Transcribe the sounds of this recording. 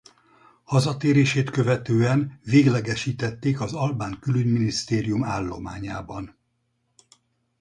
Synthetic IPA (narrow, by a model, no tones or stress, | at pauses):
hɒzɒt̪eːɾeːʃeːt̪køvɛt̪øːɛnveːɡlɛɡɛʃiːt̪ɛt̪ːeːkɒzɒlbaːŋkylyɟminist̪eːɾijumaːlːo̞̰maːɲaːbɒn